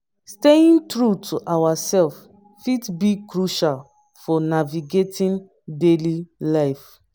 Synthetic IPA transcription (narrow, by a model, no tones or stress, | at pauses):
steĩntɹutʰuʔawasɛlf | fitbikɹuʃal | fɔnaviɡetĩn | delilaɪf